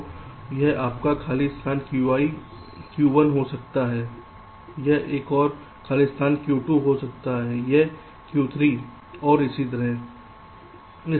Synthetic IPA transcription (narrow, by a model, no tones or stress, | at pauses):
jɛɦaːpkakʰaːliɪst̪ʰaːnkjuʋaːi | kjuːʋənɦosɐk̚t̪aɦɛː | jɛɦʔeːkɔːɾ | kʰaːlist̪ʰaːnkjuːʈuɦosɐk̚t̪aɦɛːjɛɦ | kjuːt̪ʰɾi | ɔːɾɪsit̪̬ɐɾəɦ | ɪ